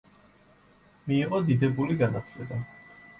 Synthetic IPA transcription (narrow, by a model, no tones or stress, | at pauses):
miːʁɔd̪id̪ɛbuliɡanat̪ʰlɛba